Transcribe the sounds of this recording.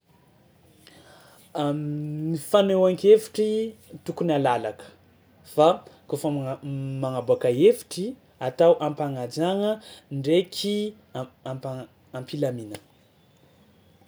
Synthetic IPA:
mifanewaŋkefi̥ʈ͡ʂit̪ukunalalakə̥ | fakofəmaŋabuakəefi̥ʈ͡ʂi | at̪awʔampaŋad͡ʒaŋəɳɖ͡ʐekʰi | p | ampilaminə

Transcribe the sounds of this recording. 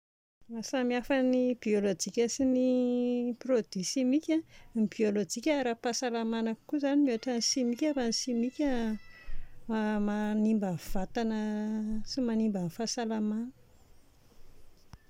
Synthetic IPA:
masamiafənibiolod͡ʒikʲəsini | prod̪̥isimikʲanib̥iolod͡ʒikʲaaɾapasalamanakkuzanimoaʈ͡ʂanisimikʲavanisimikʲə | amanimbəv̥at̪anəsimanimbənfasalamanə̥

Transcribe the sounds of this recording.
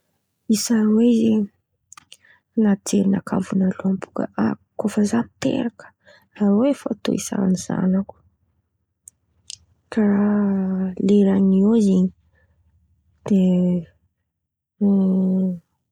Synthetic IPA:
isaɾweze | nat͡seɾina̰kʰa̰vunaluampu̥kə̰ʔakofəzat̪ḛɾakə̥ | aɾoefaat̪o̰isa̰niz̥a̰naku̥ | kara | leɾaɲioziɲi | d̪̥e

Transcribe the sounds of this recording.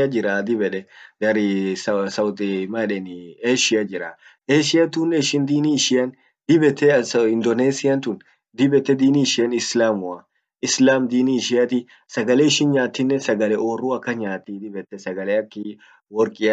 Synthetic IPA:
ɐd͡ʒɪɾaːd̪ɪbɛᶑɛɡ̪ɐɾɪssɐwt̪ʼɪmɐᶑɛnɪeːʃɪjɐd͡ʒɪɾɐ | ʔeːʃɪjɐt̪uːnːɛɪʃɪnd̪iːniʃɪɐn | d̪ɪbɛt̪ːɛsɪnd̪oneːsɪjɐnt̪un | d̪ɪbɛt̪ːɛd̪iːniːʃɪjɐnɪslaːmʊɐ | ɪslaːmd̪iːniʃɪɐt̪ɪ | sɐɡɐlɛɪʃɪnɲaːt̪ːɪnːɛsɐɡɐlɛʔoːruɐkːɐɲaːt̪ːid̪ɪbɛt̪ːɛsɐɡɐlɛɐkːɪ | wɔɾkʼɪɐ

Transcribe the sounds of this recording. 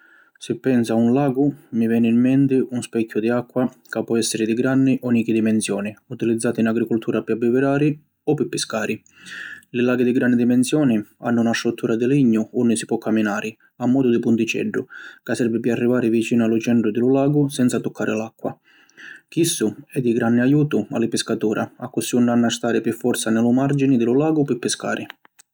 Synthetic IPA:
sɪpːɛnsaunlaːɡʊmivɛːnɪːmːɛnt̪ɪʔunspɛkʰʲːjʊd̪iakːwa | kapːɔɛsːɪɾɪd̪iɡɾanːɪʔɔniːk̟id̪imɛnsjɔːniut̪ilid̪zːaːt̪inaɡɾikʊlt̪ʰuːɾʔapiabːivɪɾaːɾi | ɔpːipːɪskaːɾʔi | lɪlaːɡid̪ɪɡɾanːɪd̪imɛnsjɔːnɪa̰nːʊunast̪ɾut̪ːuːɾʔad̪ɪliɲːʊʊnːɪsi̥pwɔkʰːamːinaːɾɪ | amːɔːd̪ʊd̪ɪpunt̪ɪt͡ʃɛ̰ɖːʊkasːɛɾvɪpɪarːivaːɾɪvit͡ʃiːnʊalːʊt͡ʃɛnt̪ɾʊd̪ɪlʊlaːɡʊsɛnt̪sat̪ʊkʰːaːɾʔɪ̰lakːwa̰ | k̟isːʊɛd̪ːiɡɾanːɪajuːt̪ʊa̰lɪpɪskat̪uːɾʔa̰a̰kːʊsiunːanːast̪aːɾɪpɪfːɔɾt̪sanɪlʊmard͡ʒinɪd̪ɪlʊlaːɡʊpɪpːɪska̰ːɾʔɪ

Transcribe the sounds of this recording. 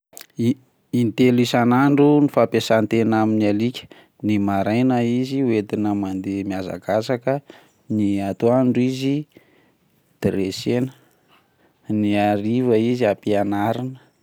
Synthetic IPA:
int̪elisanaɳɖ͡ʐunifapesant̪enaminialikʲə̥ | nimaɾajnaiziuet̪inəmand̪emiaza̰ɡasakə | niat̪oaɳɖ͡ʐizi | d̪̥ɾesenə̥ | niaɾivəiziapianaɾinə̥

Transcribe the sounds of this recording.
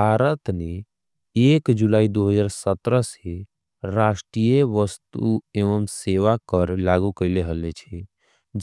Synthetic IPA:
baːɾət̪ne | eːkd͡ʒulaːid̪oɦəd͡ʒaːɾsət̪ɾəse | ɾaːʃʈɾijeʋəst̪ueʋəmseʋakəɾlaɡukəleɦəlet͡ʃʰe

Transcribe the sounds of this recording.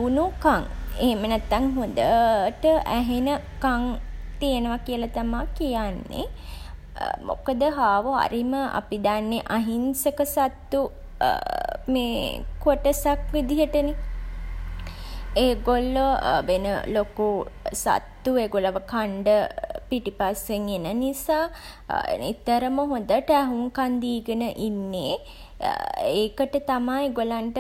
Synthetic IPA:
unukaŋeɦemənæt̪ːaŋɦud̪əʈəʔæɦenə | kaŋt̪ijenəʋakijəlat̪amaːkijanːḛ | mo̰kəd̪əɦaːʋoa̰ɾiməʔa̰pid̪anːeʔaɦinsəkəsat̪ːu | meːkoʈəsakʋid̪iɦəʈəne | eːɡolːoʋenə̰lokusa̰t̪ːueːɡolaʋəkaɳɖəpiʈipasʋeŋenənisaː | et̪ːəɾəməɦod̪əʈəæɦuŋkand̪iːɡənəʔinːeː | eːkəʈət̪amajeɡolaɳʈə

